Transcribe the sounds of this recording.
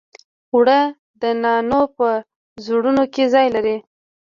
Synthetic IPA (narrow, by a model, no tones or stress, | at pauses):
wɽə | d̪ənɑnopə | zuɽunokezɑjlaɾi